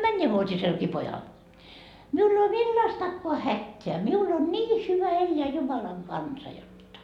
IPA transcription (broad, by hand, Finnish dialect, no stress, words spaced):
mænːeʋuotʲiselki pojɑl miul ei oː milːɑstɑkːoɑ hætːeæ miul on niː hyʋæ elːeæ jumɑlɑŋ kɑnsɑ jotːɑ